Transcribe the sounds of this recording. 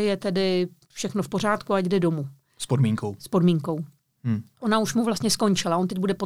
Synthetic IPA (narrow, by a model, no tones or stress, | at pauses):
jɛt̪ɛdɪ | fʃɛxnofpo̞ɾ̝aːt̪kuaɟɡdɛdo̞mu | spodmiːŋkowspo̞dmiːŋko̞w̩ | ʔonauʃmuvlast̪ɲɛsko̞nt͡ʃɪlao̞nt̪ɛɟ̚budɛpo